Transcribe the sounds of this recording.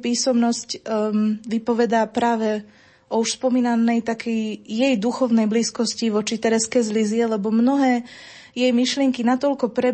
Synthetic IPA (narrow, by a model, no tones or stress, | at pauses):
piːsɔmnɔsc | ʋipɔʋɛd̪apɾaːʋɛ | ʔɔuʃspɔmiːnanɛjt̪akʰɛjːɛjd̪uxɔʊnɛjbliːskɔsciʋɔt͡ʃit̪ɛɾɛskɛjzlizɪɛlɛbɔmnɔɦɛː | jɛjmiʃlɪɛŋkinat̪ɔlkɔpɾɛ